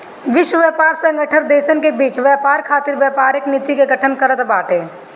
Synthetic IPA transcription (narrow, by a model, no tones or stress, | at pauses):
ʋɪʃwəʋjɛːpaːɾsə̃ŋɡəʈʰəɾd̪eːʃənkebiːt͡ʃʋɛːpaːɾkʰaːt̪ɪɾʋjəːpaːɾɪknɪt̪ːikeɡəʈʰənkəɾət̪baːʈeː